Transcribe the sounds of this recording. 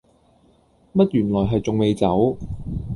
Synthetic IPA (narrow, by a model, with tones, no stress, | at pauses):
mɐ˥t̚jyː˨˩nlɔː˨˩jɦɐ˨jt͡sʊ˨ŋme˨˧jt͡sɐ˨˥w